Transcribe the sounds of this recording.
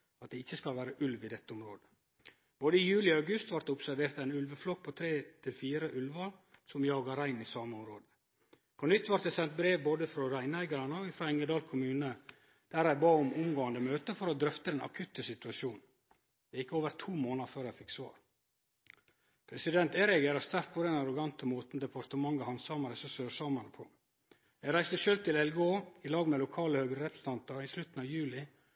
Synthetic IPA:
ɑt̪̚d̪ɛɪçːəskɑlʋæːɾəʔʉlʋɪd̪ɛt̪ːəʊmɾoːd̪ə̥ | b̥oːd̪əɪjʉːlɪɑʉɡʉst̪ʋɑɾt̪əʊpsæɾʋeːɾt̪æɪnʉlʋəflɔk̚ːpʰɔt̪ʰɾeːt̪ʰɪlfiːɾəʔʉlʋɑɾsɔmjɑːɡɑɾæɪnɪsɑːməʊmɾoːd̪ə | pʰɔnʏt̪ːʋɑɾt̪əsɛnt̪̚bɾeːʋboːd̪əfɾɔɾæɪnæɪɡɑɾɑnəɔɪfɾɔɪŋəd̪ɑːlkʰʊmʉːnə | d̪̥æɾæɪbɑːʊmʊmɡoːɑnd̪əmøːt̪əfɔɾɔd̪ɾœft̪əd̪ɛnʔɑ̰kʰʉt̪ːəsɪt̪ʉɑʃuːn | jæɪkːəoːʋəɾt̪ʰuːmoːnɑɾføːɾæɪfɪksʋɑ̰ːɾ | pʰɾɛsɪd̪ɛnt̪eːɾɛɡeɾɑɾst̪æɾt̪̚pʰɔd̪ɛnɑɾʊɡɑnt̪əmuːt̪n̩d̪ɛpʰɑɾt̪əmɑŋəhɑnsɑːmɑɾəsɔsøːsɑmɑnəpʰɔ̰ | jæɡɾæɪst̪əʃøːlt̪ʰɪlɛlɡoːɪlɑːɡmɛlʊkʰɑːləhøːɡɾəɾɛpɾəsn̩t̪ʰɑnt̪ɑɾɪslʉt̪n̩ɑːʋjʉːlɪ

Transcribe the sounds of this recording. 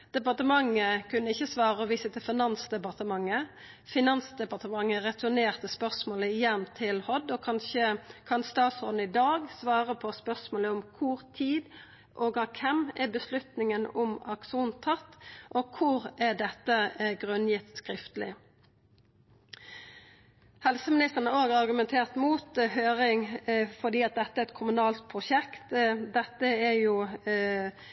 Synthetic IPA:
d̪̥ɛpɑʁt̪əmɑŋːəkʉnːəɪçːəsʋɑːɾəɔʋiːsət̪ʰɪlfɪnɑnsd̪ɛpɑʁt̪əmɑŋːə | fɪnɑnsd̪ɛpɑʁt̪əmɑŋːəɾɛt̪ʉneːʁt̪əspœʁsmoːləɪjɛnːt̪ʰɪlhɔd̪ɔkʰɑnçəkʰɑnst̪ɑːt̪soːd̪n̩ɪd̪ɑːɡsʋɑːɾəpʰɔspœʁsmoːləʊmkʰʊɾt̪ʰiːd̪ | ʔoːɡɑkʰɛmɛbəslʉt̪nɪŋənʊmɑkʃuːnt̪ʰɑt̪ːʔokʰʊɾædɛt̪ːəɡʁʉnjɪt̪ːskɾɪft̪əlɪ̰ | hɛlsəmɪnɪst̪əʁnəoːɡɑʁɑʁɡʉmɛnt̪ʰeːʁt̪muːt̪høːʁɪŋfɔd̪iːɑt̪̚d̪ɛt̪ːəæɾɛt̪̚kʰʊmʉnɑːlt̪̚pʰʁʊʃɛkt̪d̪ɛt̪ːəæjʊ

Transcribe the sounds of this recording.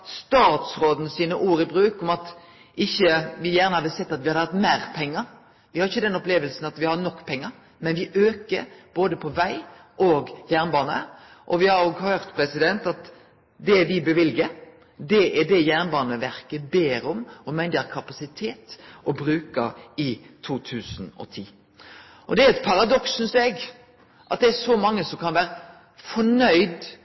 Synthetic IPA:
st̪ɑːt̪sɾoːd̪n̩siːnəʔuːɾɪbɾʉːkɔmɑt̪ | ʔɪçːəʋɪjæːʁnəhɑːd̪əsɛt̪ːɑt̪ʋɪhɑd̪hɑt̪mæːɾpʰɛŋːəɾ | ʋɪhɑɾɪçːəd̪ɛnɔpleːʋəlsn̩ɑt̪ʋɪhɑɾnɔkːpʰɛŋːəɾ | mɛnʋɪʔøːkəɾb̥oːd̪əpʰɔʋæɪ | ʔoːɡjæːʁnbɑːnə̰ | ʔɔʋɪhɑɾjoɡhøːɾt̪pʰɾɛsɪd̪ɛnt̪ɑt̪ | d̪ɛd̪ɪbɛʋɪlɡəɾ | d̪ɛʔɛɖɛjæːʁnbɑːnəʋæɾkəbeːɾɔmɔmɛnd̪ʁkʰɑpɑsɪt̪ʰeːt̪ʔɔbɾʉːkəɪt̪ʰuːt̪ʰʉːsn̩ɔ̰t̪ʰiː | ʔɔd̪ɛæɛt̪̚pʰɑɾɑd̪ɔksʉnsɛɡ | ʔɑt̪̚d̪ɛæʂɔmɑŋːəsɔmkʰɑnʋæːɾə | fɔɳœʏd̪

